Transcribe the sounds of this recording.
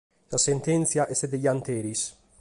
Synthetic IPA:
sasent̪ent̪sjaʔɛsed̪ejant̪eːɾis

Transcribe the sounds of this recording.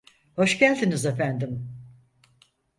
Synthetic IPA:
hoʃcælʲd̪inizefænd̪im

